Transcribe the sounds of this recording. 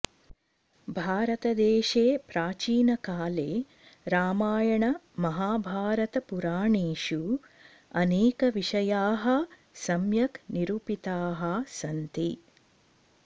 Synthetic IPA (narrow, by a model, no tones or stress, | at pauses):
bʱaːɾɐt̪ɐd̪eːʃeːpɾaːt͡ʃiːnɐkaːleː | ɾaːmaːjɐɳɐ | mɐɦaːbʱaːɾɐt̪ɐpuɾaːɳeːʂu | ɐneːkɐʋiʂɐjaːɦɐ | sɐmjɐkniɾupit̪aːɦɐsɐnt̪i